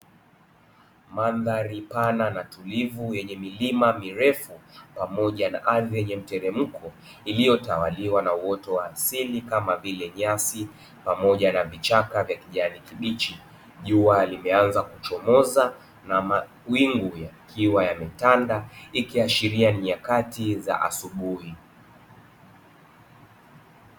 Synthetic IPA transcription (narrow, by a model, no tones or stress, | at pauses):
manðaɾipananatulivujɛɲɛmilimamiɾɛfupamɔʄana̰ʔaðijɛɲɛm̩tɛɾɛm̩kʰɔ | ilijɔtawaliwanauwɔtɔwaːsilikamavilɛɲasi | pamɔʄanavit͡ʃakavjakiʄanikiɓit͡ʃi | ʄualimɛanzakut͡ʃɔmɔza | naa | wiŋɡujakʰiwajamɛtandaikiaʃiɾianiakatiza̰ʔa̰suɓuhi